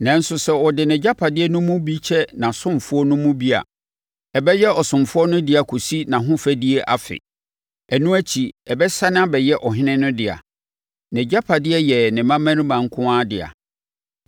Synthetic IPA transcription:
nã˨n̩˦sʊ˨sɛ˦ɔ˨dɪ˨nɛ̃˨d͡ʑa˦pʰa˨dɪ˦ɛ˦nʊ̃˦mʊ̃˦bi˦t͡ɕʰɛ˦nã˨sʊ̃˦mfʊ˦ɔ˦nʊ̃˦mũ˦bi˦a̰˨ | ɛ˨bɛ˦jɛ˦ɔ˨sʊ̃˨mfʊ˦ɔ˦nʊ̃˦dɪ˦a˨kʰo˨si˦nã˨ɦʊ̃˦fæ˦di˦e˦ʔa̰˨fɪ̰˨ | ɛ˨nũ˦æ˦t͡ɕʰi˨ɛ˨bɛ˦sa˦ñ˦a˦bɛ˨jɛ˦ʔɔ˨ɦɪ̃˦nɪ̃˦nʊ̃˦dɪ˨a̰˨ | nɛ̃˨d͡ʑa˦pʰa˨dɪ˦ɛ˦jɛ˨nɪ̃˨mã˦mã˦ɾĩ˦mã˨ŋ̩˦kʰʊ̃˦ãː˦dɪ̰˨a̰˨

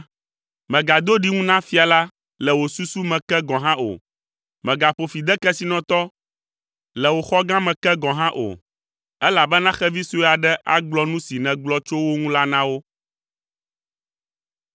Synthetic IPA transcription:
mɛ̃˨ɡa˨d̪o˦ɖi˦ŋũ˦nã˦fi˦a˨la˦ | lɛ˨wo˨su˦su˦mɛ̃˨kɛ˦ɡɔ̃˨ɦã˦ʔo̰˨ | mɛ̃˨ɡa˨ɸo˨fi˨d̪ɛ˦kɛ˦si˨nɔ̃˦t̪ɔ˦ | lɛ˨wo˨xɔ˦ɡã˦mɛ̃˨kɛ˦ɡɔ̃˨ɦã˦ʔo̰˨ | ɛ˦la˨bɛ˦nã˦xɛ˦vi˦su˦˨a˨ɖɛ˦ʔa̰˦ɡ͡blɔ˦nũ˦si˨nɛ̃˨ɡ͡blɔ˦t͡ʃo˦wo˦ŋũ˦la˦nã˦wo˦

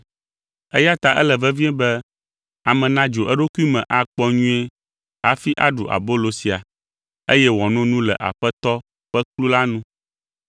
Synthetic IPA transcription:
ɛ˦ja˦t̪a˨ʔɛ̰˦lɛ˨vɛ˦vi˦ɛ̃˦bɛ˦ | a˨mɛ̃˨nã˦d͡ʒo˨ʔɛ˦ɖo˦ku˦i˦mɛ̃˨ʔa˨k͡pɔ˦ɲũ˦e˦ | ɦa˦fi˦ʔa̰˦ɖṵ˨ʔa̰˨bo˦lo˨si˨a˨ | e˦jɛ˦wɔ̃˨nɔ̃˦nũ˦lɛ̰˨ʔa̰˨ɸɛ˦t̪ɔ˦ | ɸɛ˦klu˦la˦nũ˦

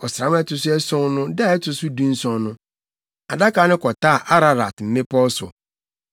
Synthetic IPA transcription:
ɔ˨sɾã˨˦m˦ɛ˦tʊ˨sʊ˦ɛ˦sɔ̃˦nʊ̃˦da˦˨ɛ˦tʰʊ˨sʊ˦dũ˦n̩˦sɔ̃˦nʊ̃˦ | a̰˨da˦kaː˨˦nɪ̃˦kʰɔ˨taː˦˨ʔa˦ɾa˨ɾa˨tm̩˨mɪ̃˦pʰɔ˦sʊ̰˨

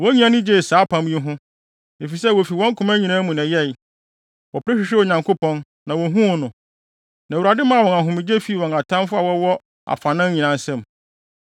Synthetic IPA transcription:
wɔ̃˦ɲĩ˦ã˦nɪ̃˦d͡ʑe˦˨saː˨˦pʰã˨˦m˦ĩ˦ɦʊ̃˦ | e˨fi˨sɛ˦wo˨fi˨wɔ̃˦ŋ̩˦kʰʊ̃˦mæ̃˦ɲĩ˨nãː˦mũ˨næ̃˨jɛ˦˨j | wɔ˨pɾɛ˦ɕᶣɪ˨ɕᶣɛ˦wo˨ɲã˨ŋkʰo˦pʰɔ̃˦n | nã˨wɔ˨ɦũ˦˨nʊ̃˨ | nã˨wu˨a˨dɪ˦mã˦˨wɔ̃˨a˨ɦʊ̃˨mɪ̃˨d͡ʑe˦fi˨˦˨wɔ̃˨na˨tʰã˦mfʊ˦a˨wɔ˦wɔ˦ | a̰˨fa˨nɪ̃˦ɲĩ˨nã˨n˦sɛ̃˦˨m

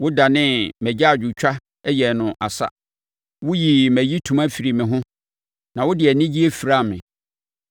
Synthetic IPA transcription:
wʊ˦da˨nɪ̃˦mæ˨d͡ʑa˦a˨d͡ʑᶣu˨t͡ɕᶣa˦ | ɛ˦jɛ˨nʊ̃˨ʔa̰˨sa̰˦ | wʊ˦ji˨mæ̃˨ji˦tʰũ˨ma˦fi˨ɾi˨mɪ̃˨ɦʊ̃˦ | nã˨wʊ˦dɪ˨ɛ˨nɪ̃˦d͡ʑi˦e˦fi˨ɾa˦˨mɪ̰̃˨

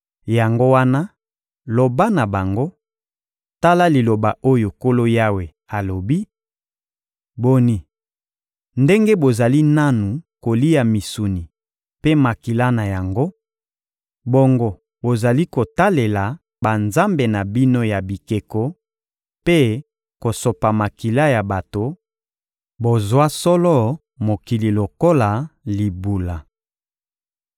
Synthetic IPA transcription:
ja˨ŋɡo˦wa˦na˦ | lo˨ba˦na˨ba˨ŋɡo˦ | ta˦la˦li˨lo˨ba˨ʔo˦jo˨ko˦lo˦ja˦we˨ | a˨lo˨bi˦ | bo˦ni˨ | nde˦ŋɡe˦bo˨za˨li˦na˦nu˨ko˨li˦ja˨mi˨su˨ni˨ | pe˦ma˨ki˨la˦na˨ja˨ŋɡo˦ | bo˦ŋɡo˨ | bo˨za˨li˦ko˨ta˦le˨la˨ | ba˨nza˦mbe˨na˨bi˦no˦ja˨bi˨ke˨ko˦ | pe˦ | ko˨so˨pa˨ma˨ki˨la˦ja˨ba˨to˨ | bo˨zwa˦sɔ˦lɔ˦ | mo˨ki˨li˨lo˨ko˦la˨li˨bu˨la˨

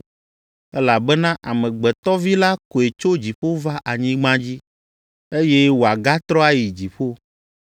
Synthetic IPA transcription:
ɛ˦la˨bɛ˦nã˦ʔa˨mɛ̃˨ɡ͡bɛ˨t̪ɔ˦vi˦la˦ko˨e˨t͡ʃo˦d͡ʑi˨ɸo˦va˦ʔa˨ɲĩ˦ɡ͡bã˦d͡ʑi˦ | e˦je˦wo˨a˨ɡa˦t̪ɾɔ˦a˦ji˨d͡ʑi˨ɸo˦

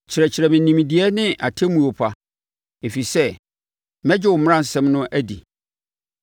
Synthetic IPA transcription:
t͡ɕʰɪ˨ɾɛ˨t͡ɕʰɪ˨ɾɛ˨mɪ̃˨nĩ˨m˨di˨˦ɛ˦nɪ̃˦ʔa˨tʰe˦mũ˨o˨pʰa˨ | e˨fi˨sɛ˦ | mɛ̃˦d͡ʑɪ˦˨ʊ˨m̃˦ã˦˨sɛ̃˦mnʊ̃˦ʔæ˦dḭ˨

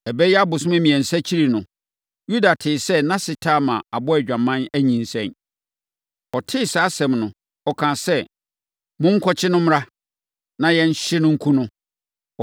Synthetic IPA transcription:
ɛ˨bɛ˦jɛ˦a˦bʊ˨sʊ̃˦æ˦mĩ˨ɛ̃˨n̩˨sæ˦t͡ɕʰi˦ɾi˨nʊ̃˨ | ju˦da˨tʰɪː˨sɛ˦nã˦sɪ˨tʰa˦˨mã˨a˨bɔ˦æ˨d͡ʑᶣã˨mã˦næ˦ɲĩ˨n̩˨sɛ̰̃˦˨n | ɔ˨tʰɪ˦saː˨˦sɛ̃˨mnʊ̃˨ | ɔ˨kʰã˨sɛ˦ | mʊ̃˦ŋ̩˦kʰɔ˦t͡ɕʰɪ˦nʊ̃˦m˦a˦ | nã˦jɛ˦n̩˦ɕɪ˦nʊ̃˦ŋ̩˦kʰũ˦nʊ̃˦

